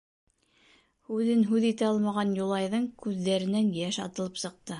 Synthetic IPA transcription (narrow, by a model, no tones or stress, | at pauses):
hʉðɘnɦʉðit̪æɑlˠmɑʁɑnjulˠɑjðɤɴkʉðːæɾɘ̆nænjæʃɑ̰t̪ɤ̆lˠɤpsɤ̆q̚t̪ɤ